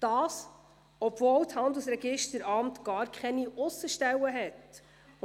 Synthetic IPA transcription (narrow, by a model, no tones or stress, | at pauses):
d̪̥ɑːs | ɔbvɔːlthɑnd̪əlsɾɛɡɪʃtəɾɑmt̪ɡ̥ɑːɾkχɛniʔʊsəʃtɛwəɦɛt